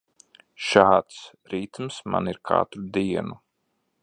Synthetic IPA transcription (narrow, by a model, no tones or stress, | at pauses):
ʃaːt̪s | ɾiːt̪msma̰niɾkʰa̰ːt̪ɾud̪iɛnu